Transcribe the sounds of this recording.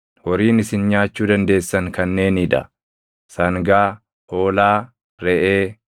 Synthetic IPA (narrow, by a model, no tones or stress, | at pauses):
wɔɾiːnɪsɪnɲaːt͡ʃːuːd̪ɐnd̪e̞ːsːɐŋkɐnːe̞ːniᶑɐ̰ | sɐŋɡaː | ho̞ːlaː | ɾɛʔeː